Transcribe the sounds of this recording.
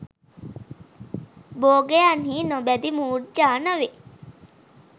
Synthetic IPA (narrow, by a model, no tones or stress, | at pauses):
boːɡejaːnɦiːnobɛd̪imuːɖd͡ʒaːnɐʋe